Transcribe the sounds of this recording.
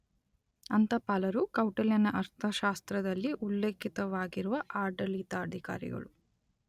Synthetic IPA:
ɐnt̪ɐpaːlɐɾukɐwʈɐljɐnɐʔɐɾt̪ʰɐʃaːst̪ɾɐd̪ɐlːiʔulːeːkit̪ɐʋaːɡiɾuʋɐʔaːɾɖɐliːt̪aːd̪ʱika̰ːɾḭɡɐ̰ɭu

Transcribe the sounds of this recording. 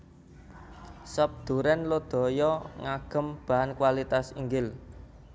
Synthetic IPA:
sɔp̚d̪̥ṳɾɛnlod̪̥ɔ̤jɔŋaɡ̥ə̤mb̥a̤ɦankwalit̪asiŋɡɪl

